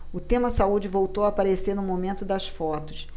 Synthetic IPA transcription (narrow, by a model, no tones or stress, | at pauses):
ʊt̪ẽmɐsaud͡ʒɪvowt̪owaːpaɾeseɾnʊmomẽnt̪ʊd̪ɐsfɔt̪ʊ̥s